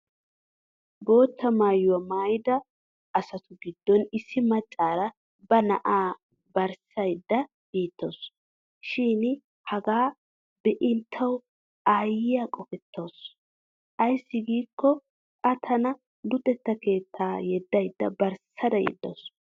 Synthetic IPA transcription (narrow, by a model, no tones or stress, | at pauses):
bo̞ːt̪ːɐmaːjʊwɐmaːjd̪ɐː | sɐt̪ʊɡɪd̪ːɔnɪsːɪmɐt͡ʃʼːaːɾɐ | bɐnɐ̰ʔaː | bɐɾsɐjd̪ːɐ | b̥iːt̪ːo̞s | ʃiːn | hɐɡaː | bɛʔɪnt̪ʰːɐw | aːjɪjakʼɔfɛt̪ːo̞ːs | ʔɐjsːɪɡiːkːɔ | kʼɐt̪ʰɐnɐ | lʊt̪ʼːɛt̪ːɐke̞ːt̪ʰːaːjɛd̪ːɐjd̪ːɐbɐɾsɐd̪ɐjɛ̰d̪ːo̰s